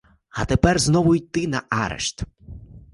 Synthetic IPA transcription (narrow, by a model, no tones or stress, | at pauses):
ɐ̰t̪epɛrznɔʋʊjʲt̪ɪnɐaɾḛʃt̪